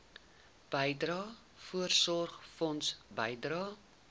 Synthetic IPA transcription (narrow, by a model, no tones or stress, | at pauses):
b̥əjdrɑː | fuərsɔrχfɔnsbəjdrɑː